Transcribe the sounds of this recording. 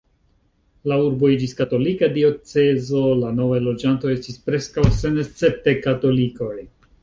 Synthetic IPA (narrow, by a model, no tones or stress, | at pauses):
lauɾbo̞id͡ʒiskato̞likadio̞t͡se̞zo̞lano̞vajlo̞d͡ʒantoe̞stispɾe̞skawse̞nest͡se̞p̚te̞kato̞liko̞j